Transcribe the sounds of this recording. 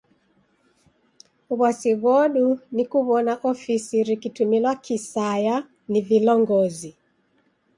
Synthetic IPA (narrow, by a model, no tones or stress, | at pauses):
uβasiβwɔɗunikuβɔnaʔɔfisiɾikitumilwakʰisaja | nivilɔŋɡɔzi